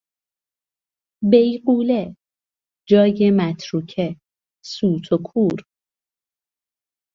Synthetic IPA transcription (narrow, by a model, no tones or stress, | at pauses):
bejɢuːle | d͡ʒɒːjemæt̪ʰɾuːkʰe | suːt̪ʰokʰuːɾ